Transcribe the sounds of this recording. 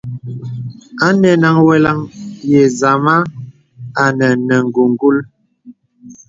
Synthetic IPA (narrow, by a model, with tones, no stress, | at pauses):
a˦nɛ˨na˨ŋwɛ˦la˦ŋjɛ˨za˨ma˦ | a˨nə˨nə˨ŋ̩˨ɡu˨ŋ˨ɡu˦l